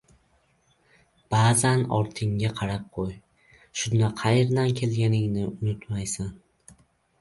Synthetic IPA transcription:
b̥aːzanɒ̰ɾt̪ʰɪŋɡaqʰɑɾap̚qʰoj | ʃʊnd̪aqʰɑjeɾd̪ankʲʰe̞lɡʲanɪŋnɪʊnʊt̪majsan

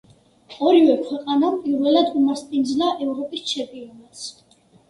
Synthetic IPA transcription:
ɔɾivɛlkʰwɛqʼanampʼiɾvɛlad̪umaɾst̪ʼind̪zlaʔɛvɾɔpʼist͡ʃʰɛpʼiɔnas

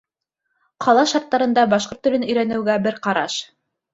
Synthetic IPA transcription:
qʰɑlˠɑʃɑɾt̪ːɑɾɤ̆nd̪ɑbɑʃqoɾt̪ːɵ̆lɘnɵ̆jɾænɘ̆wɡæbɘɾqɑɾɑʃ

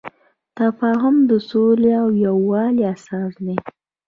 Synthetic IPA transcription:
t̪afɑɦʊmd̪əsoleawjawːɑleasɑsd̪e

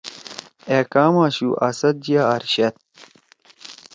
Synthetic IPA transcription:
eːkaːmaːɕṵʔɐsɐd̪̚d͡ʑijaːɾɕɐt̪̚

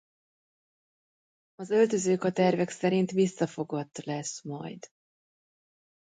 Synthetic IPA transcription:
ɒzø̞lt̪ø̞zøːkɒt̪ɛrvɛksɛɾint̪ʋisːɒfo̞ɡɒt̪ːlɛʃmɒjd̪̥

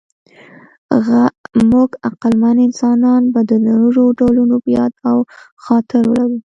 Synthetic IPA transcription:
ɣmuɡaqalmanɪnsɑnɑnbad̪ənaɾuɾoɖawlunopəjɑd̪aw | xɑt̪ɪɾwəlaɾu

